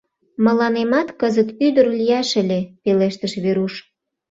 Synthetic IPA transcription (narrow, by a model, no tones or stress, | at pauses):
mə̆lɑnemɑt̪kəzət̪yd̪ərlʲijɑʃə̆lʲepeleʃt̪əʃβeɾuʃ